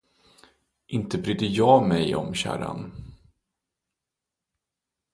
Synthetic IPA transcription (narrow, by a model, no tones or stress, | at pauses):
ʔɪnt̪əbɾyːd̪əjɑːmɛjɔ̰mɕæ̰ːɾa̰n